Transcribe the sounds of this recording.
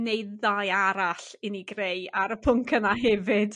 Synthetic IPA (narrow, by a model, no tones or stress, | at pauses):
nejdðajaɾaɬɪniɡrejaɾəpʰʊŋkʰənaɦɛvɪd̥